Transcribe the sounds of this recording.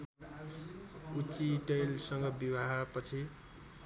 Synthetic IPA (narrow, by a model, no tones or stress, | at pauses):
ut͡siʈejlsʌŋɡʌbibaɦapʌt͡sʰi